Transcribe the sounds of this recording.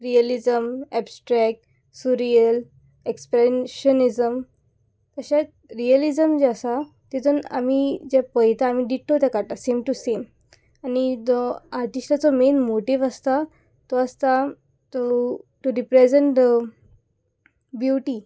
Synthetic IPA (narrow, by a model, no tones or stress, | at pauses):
ɾijəlid͡zəmɛbsʈɾɛk̚ʈ | suɾiəl | ekspɾeɕənid͡zəm | t̪əɕa | ɾiəlid͡zəmd͡ʑɛasa | t̪et̪una̰mid͡ʑɛpəjt̪aːmiɖiʈːot̪jakaɾt̪asemʈusem | anid͡zɔaɾʈiʂʈat͡sɔmenmoʈiʋast̪a | t̪ɔast̪a | t̪ɔʈuɾipɾed͡zeɳʈ | bjuʈi